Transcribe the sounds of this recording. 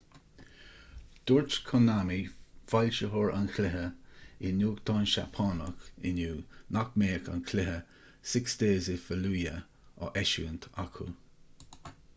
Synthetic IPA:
d̪̥ʊɹtkʰɔnamifalʲʃəɦɔɹa̰nkʰlɪɦəɪnuːɡt̪ʰɑnʃa̰pʰɑːnəkɪ̰nuːnakmeːka̰nkʰlɪɦə | sɪksd̪eːzɪfəluːjə | ɔ̰ʔɛʃṵənt̪ʰakʰṵ

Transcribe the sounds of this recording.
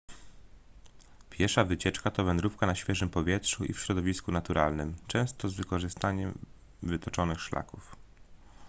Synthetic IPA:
pʲjɛɾfʂavɘt͡ɕɛt͡ʂkat̪ɔvɛnd̪ɾufkanaɕfʲjɛʐɘmpɔvʲjɛtʂuʔḭfɕɾɔd̪ɔvʲiskunat̪uɾʔalnɘmt͡ʂɛ̃w̃st̪ɔzvɘkɔʐɘst̪aɲɛm | vɘt̪ɔt͡ʂɔnɘxʂla̰kuf

